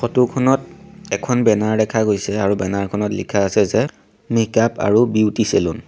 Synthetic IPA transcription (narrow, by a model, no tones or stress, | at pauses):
xɔtukʰɔnɔt̚ɛkʰɔnbɛnaɹdɛkʰaɡojsɛaɹubɛnaɹkʰɔnɔtlḭkʰaːsɛzɛ | mekapa̰ɹubiwtiselʊn